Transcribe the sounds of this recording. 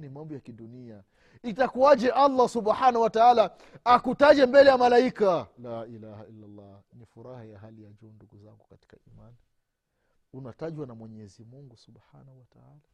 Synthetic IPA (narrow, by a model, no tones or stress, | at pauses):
nimambɔjakiɗunia | itakuad͡ʒɛʔalˤːasubħanauwataalaː | kutaʄɛmbɛlɛjamalaikalaːʔilahailːalˤːɑ | nifuɾahajaɦalijad͡ʒɔnduɡuzaŋɡukati̥kaʔiman | unataʄwanamwɛɲɛzimuŋɡusubħanahuwata̰ala